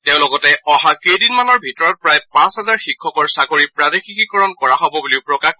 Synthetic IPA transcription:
teʊ̃lɔɡɔtɛʔɔɦakedinmanɔɹbʱitɔɹɔt̚pɹajpãsɦɛzaɹxikʰːɔkɔɹsakoɹipɹadixikikɔɹɔnkɔɹaɦɔbɔbuliʊpɹɔkax

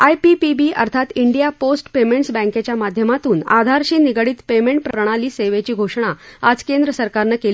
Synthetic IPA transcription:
ajpipibiːʔə̰ɾt̪ʰat̪iɳɖijaposʈpemeɳʈsbɛ̃ŋket͡ɕjamad̪ʱjəmat̪uːna̰d̪ʱaɾɕiːniɡɽiːt̪pemeɳʈ̚pɾəɾəɽ̃aliːseʋet͡ɕiːɡʱoʂɳ̃aad͡zkend̪ɾəsəɾkaɾnəkeli

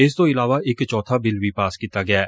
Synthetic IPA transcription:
ɪst̪oɪlaːʋaʔɪkt͡ʃɔːt̪ʰabɪlbipaːskit̪ːaɡɐjaː

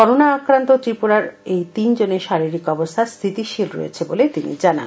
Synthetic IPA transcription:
kɔɾonaakɾant̪ot̪ɾipuɾaɾejt̪ind͡ʑoneɾʃaɾiɾikɔbost̪ʰast̪ʰit̪iʃilɾo̰ḛt͡ɕʰebolet̪inḭd͡ʑana̰n

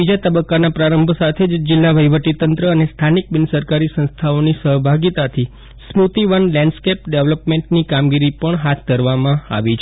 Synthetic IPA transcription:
id͡ʒat̪əbəkːanapɾaɾəmbʱəsat̪ʰed͡ʒd͡ʒɪlːaʋəjʋəʈ̪it̪ənt̪ɾəːnest̪ʰanik̚bɪnsəɾkaɾisə̃nst̪ʰaonisəɦbʱaɡit̪at̪ʰi | smut̪iʋənlɛ̃ɳɖskepɖeʋləpmeɳʈnikamɡiɾipəɳɦat̪ʰd̪ʱəɾʋamãa̰ʋit͡ʃʰ

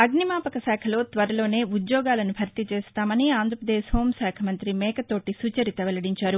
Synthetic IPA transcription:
ɐɡnimaːpɐkɐsɛːkʰɐlo̞ːt̪ʋɐɾɐlo̞ːne̞ːud̪jɔːɡaːlɐnubʱɐɾt̪it͡ʃeːst̪aːmɐniaːnd̪ʱɾɐpɾɐd̪eːho̞ːmsɛːkʰɐmɐnt̪ɾimɛːkɐt̪o̞ːʈisuːt͡ʃɐɾit̪ɐʋɛlɐɽiɲt͡ʃaːɾu

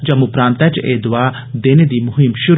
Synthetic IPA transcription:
d͡ʒɐmupɾaːnt̪ɐt͡ʃeːd̪ʋaː | d̪eːned̪imʊɦimʃuɾ

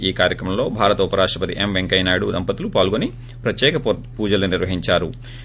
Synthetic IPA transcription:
iːkaːɾjɐkɾɐmɐmlo̞ːbʱaːɾɐt̪upɐɾaːʂʈɾɐpɐt̪iʔemʋeŋkɐjnaːɽud̪ɐmpɐt̪ulupaːlɡoni | pɾɐt̪jɛːkɐpuːd͡ʒɐluniɾʋɐɦiɲt͡ʃaːɾu

